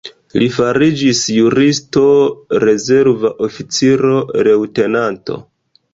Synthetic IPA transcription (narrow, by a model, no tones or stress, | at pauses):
lifaɾid͡ʒisjuɾisto̞ɾe̞ze̞ɾvaʔo̞fit͡siɾo̞ɾe̞wte̞nanto̞̰